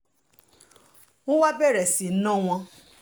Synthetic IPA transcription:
o˦wa˦bɛ˦˨ɾɛ˨si˨n̩˦nɔ̃˦w̃ɔ̃˧

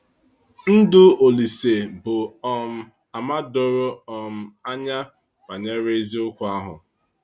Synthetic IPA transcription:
n̩˦dʊ˦o˨li˨se˨bʊ˨ɔ˨m̩˨ | a˨ma˦dʊ˨ɾʊ˦ɔ˨m̩˨a˦ɲa˦ | b̥a˨ɲe˦ɾe˦zi˦ʊ˦kʷʊ˨a˦ɦʊ̰˨

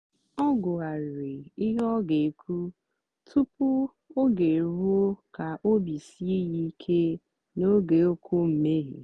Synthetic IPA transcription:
ɔ˦ɡʊ˨a˨ɾe˨i˦ɦɔ˦ɡe˨kʰu˦ | tʰu˦pʊ˦ | o˦ɡe˨ɾu˦o˦ka˨ʔo˦bi˨si˦e˦ɣi˦kʰe˦ | no˦ɡe˨o˦kʷo˦m̩˨me˦ɦḛ˨

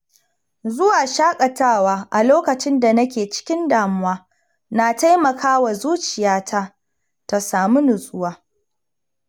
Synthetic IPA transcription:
zʊ˦waː˨ʃaː˦kʼɐ˨taː˦˨waː˦ʔa˨loː˦kɐ˨t͡ʃɪ˦nda˨nɐ˦kʲeː˨t͡ʃɪ̥˦kʲɪ˦ndaː˨mʊ˦waː˦ | na˨ta˦jmɐ˨kʰaː˦wa˨zuː˦t͡ʃɪ˨jaː˦tʰa˦ | ta˨saː˨mu˦nʊ˨sʼʊ˦waː˦

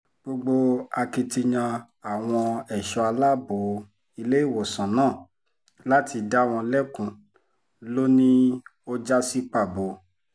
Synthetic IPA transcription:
ɡ͡bo˧ɡ͡bo˧a˧ki˧ti˧ɲã˧ | a˨w̃ɔ̃˧ɛ˨ʃɔ˧a˧la˦bo˨˦ | i˧le˦i˦˨wo˨sã˨nãː˦˨ | la˦ti˧da˦w̃ɔ̃˧lɛ˦kũ˧ | lo˦nĩ˦o˦d͡ʒa˦si˦k͡pa˦˨bo˨

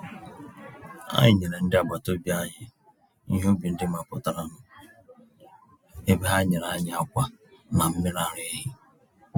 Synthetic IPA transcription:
a̰˦ɲɪ˨ɲe˨ɾe˨n̩˦dɪ˦a˨ba˨to˦bja˦ɲɪ˦ | ḭ˦ɦo˦bi˨n̩˦dɪ˦m˦a˨pʊ˦ta˨ɾa˦nʊ˦ | e˦be˦ɦa˦ɲe˨ɾa˨˦ɲɪ˨˦a˦kʷa˦na˨m̩˦mɪ˦ɾa˨ɾe˦e˦ɦɪ˦

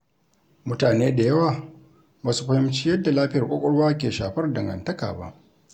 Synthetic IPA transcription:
mʊ˦taː˨neː˦da˨jɐ˦waː˨ | baː˦su˦ɸɐ˦hɪ˦mt͡ʃi˦jɐ˦dːa˨laː˦ɸɪ˦jɐ˨rkʷʼɔ˦kʷʼɔ˦ɽwaː˦k̬ʲeː˨ʃaː˨ɸɐ˦rdɐ˨ŋɡɐ̰˨ntɐ˦ka̰ː˨ba̰˦ʔ

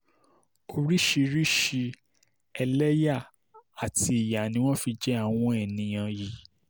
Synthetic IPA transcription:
o˧ɾi˦ʃi˧ɾi˦ʃi˧ | ɛ˧lɛ˦ja˦˨ | a˨ti˧i˨ja˨nĩ˨˦w̃ɔ̃˦fi˧d͡ʒɛ˦a˦˨w̃ɔ̃˧ɛ˨nĩ˨j̃ã˧ji˨

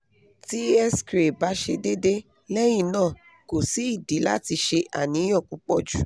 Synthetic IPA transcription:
ti˦ɛ˦skɾe˨ba˨˦ʃe˧de˦de˦ | lɛ˦j̃ĩ˧˨nãː˦˨ | ko˨si˨˦i˦˨di˨˦la̰˦ti˧ʃe˧ʔa̰˦˨nĩ˨˧˦jɔ̃˦˨k͡pũ˧˦k͡pɔ˦d͡ʒu˦˨

